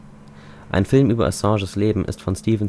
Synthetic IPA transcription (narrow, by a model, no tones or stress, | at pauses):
ʔa̰ɪnfɪlmʔyːbɐʔɔ̰sɑ̃ːʒəsleːbm̩ʔɪ̰stfɔnstiːvn̩